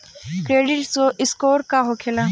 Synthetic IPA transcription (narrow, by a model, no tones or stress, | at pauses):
kɾeːɖɪʈsoʔɪskoːɾkaɦokʰelaː